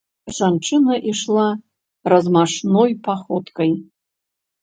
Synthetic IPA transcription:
ʐanʈ͡ʂʰʼɨnɐʔiʂlˠa | rɐzmaʂnojpʰaχot̪kʼɐj

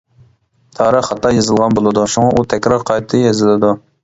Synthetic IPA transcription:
t̪ʰɑːɾəχhɑt̪ːɑjɑzɨlˠʁɑnbolˠɨd̪uʃuŋɑʔut̪ʰɛkʲɾɑɾqʰɑjt̪ʰɨjezɪlɪd̪u

